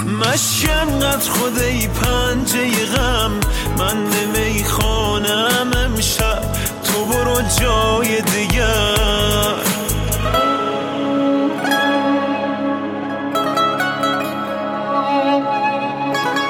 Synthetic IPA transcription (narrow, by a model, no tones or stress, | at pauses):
mæʃjanɢæd̪ɾxod̪ejpʰænd͡ʒejeɣæmː | ænmemejxɔːnæmemʃab | t̪ʰoboɾod͡ʒɔːjed̪iɟæ | ɾ